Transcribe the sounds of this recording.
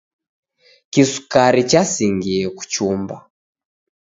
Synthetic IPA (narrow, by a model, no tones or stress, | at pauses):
kisu̥kaɾit͡ʃasiŋɡiɛku̥t͡ʃumba̰